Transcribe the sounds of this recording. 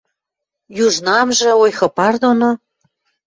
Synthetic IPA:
juʒnɑmʒĕojxɤ̆pɑrd̪ono

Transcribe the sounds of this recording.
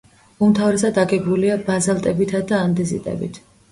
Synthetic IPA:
umt̪ʰavɾɛsad̪aɡɛɡbuliabazalˠt̪ʼɛbit̪ʰad̪aːnd̪ɛzḭt̪ʼɛ̰bḭt̪ʰ

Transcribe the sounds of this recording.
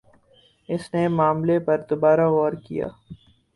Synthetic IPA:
ɪsnemaːmlepɐɾd̪obaːɾaɔːɾkḭja̰ː

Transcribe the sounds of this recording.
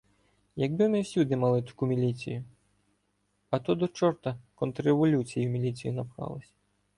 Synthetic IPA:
jɐɡbɪmɪwsʲud̪ɪmɐlˠɪt̪ʊ̥kumʲilʲit͡sʲḭjʊ | ɐt̪ɔd̪ɔt͡ʃɔɾt̪ɐkɔnt̪ɾeʋɔlʲut͡sʲijumʲilʲit͡sʲijinɐpxɑ̰lˠɐsʲɐ̥

